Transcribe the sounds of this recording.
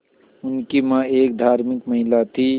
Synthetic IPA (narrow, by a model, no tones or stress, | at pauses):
ʊnkimãeːk̚d̪ʱaːɾmikməɦɪlat̪ʰi